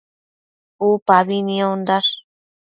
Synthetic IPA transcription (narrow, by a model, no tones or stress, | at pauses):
upaβiniond̪aʂ